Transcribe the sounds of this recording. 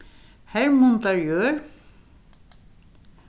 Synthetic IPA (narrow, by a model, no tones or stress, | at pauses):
hɛɹmʊnt̪aɹjœːɾ